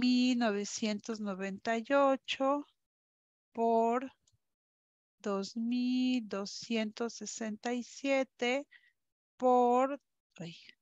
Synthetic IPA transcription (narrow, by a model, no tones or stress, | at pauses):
milnoβ̞esje̞nt̪oznoβe̞nt̪ajot͡ʃo | poɾ | d̪ozmild̪osje̞nt̪osːesent̪ajsjet̪e | poɾ | ej